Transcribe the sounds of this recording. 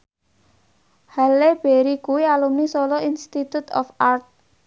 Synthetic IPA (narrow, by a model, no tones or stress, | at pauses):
haleb̥eɾikuialumnisɔlɔinst̪it̪ut̪ɔ̰fart̪̚